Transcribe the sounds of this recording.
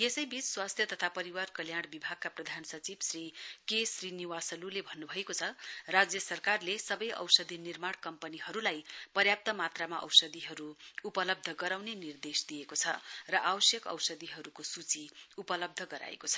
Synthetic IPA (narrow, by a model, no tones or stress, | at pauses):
jesʌjbit͡sswast̪ʰjʌt̪ʌt̪ʰapʌɾiwarkʌljaɽbibʱaɡ̚kaprʌd̪ʱansʌt͡sibsrikesriniwasʌlulebʱʌnːubʱʌekot͡sʰʌrad͡zjʌsʌrkarlesʌbʌjʔʌ̰wsʌd̪ʱinirmaɽkʌmpʌniɦʌɾulajpʌrjap̚t̪ʌmat̪ramaʔʌ̰wsʌd̪iɦʌɾuupʌlʌb̚d̪ʱʌɡʌɾawnenird̪esd̪ijekot͡sʰʌrʌʔawʌsjʌkʌ̰wsʌd̪iɦʌɾukosut͡siupʌlʌb̚d̪ʱʌɡʌɾa̰ḛkot͡sʰʌ̥